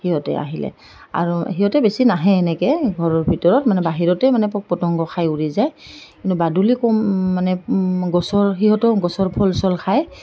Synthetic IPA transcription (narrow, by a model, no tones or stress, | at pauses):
hiɦɔtɛ̰a̰ɦilɛ̰ | a̰ɹuɦiɦɔtɛbesinaɦɛːnɛkɛɡʱɔɹɔɹbʱitɔɹɔtmanɛbaɦiɹɔtɛmanɛpɔk̚pɔtɔŋɡɔxʰajuɹizajkintubadulikɔmːanɛɡɔsɔɹɦiɦɔtɔɡɔsɔɹpʰɔlsɔlkʰaj